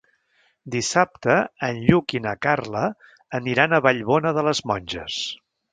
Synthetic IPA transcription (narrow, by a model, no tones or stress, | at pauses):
d̪isap̚t̪əənʎukinəkarləː | niɾanəβaʎβɔnəðələzmɔnʲʒəs